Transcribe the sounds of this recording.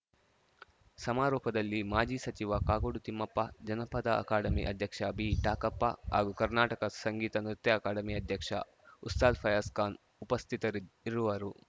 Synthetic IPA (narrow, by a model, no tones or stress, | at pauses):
sɐmaːɾɔːpɐd̪ɐlːimaːd͡ʒiːsɐt͡ʃiʋakaːɡoɽut̪imːɐpːɐd͡ʒɐnɐpɐd̪ɐʔɐ̰kaːɖɐmḭʔɐd̪ʱjɐkʂɐbʱiʈaːkɐpːa̰ɦa̰ːɡukɐɾnaːʈɐkɐsɐŋɡiːt̪ɐnɾut̪jɐːkaːɖɐmiɐd̪ʱjɐkʂɐ̰ | ust̪aːd̪pʰɐjɐskaːn | upɐst̪ʰit̪ɐɾiɾuʋɐɾu